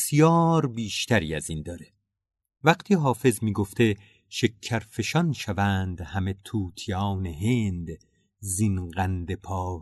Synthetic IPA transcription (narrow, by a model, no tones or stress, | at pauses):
sijɒːɾbiːʃt̪ʰæɾḭːæzind̪ɒːɾe | væqt̪ʰiːɦɒːfe̞zmiːɡoft̪e̞ | ʃe̞kʰːæɾfe̞ʃɒnʃævænd̪hæme̞t̪ʰuːt̪ʰijɒːneɦend̪ | zinɢænd̪e̞pʰɒː